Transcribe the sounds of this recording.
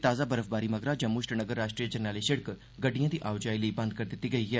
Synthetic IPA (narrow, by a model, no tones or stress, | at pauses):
t̪aːzaːbəɾəfbaːɾiːməɡɾaːd͡ʒə̃mːuːʃʈnəɡəɾːaːʃʈɾijəd͡ʒəɾnaːliʃəɽək | ɡəɖijãːd̪iːʔaːʊd͡ʒaːiləiːbɐ̃nd̪̚kəɾd̪ɪt̪ːiːɡəiːɦɛː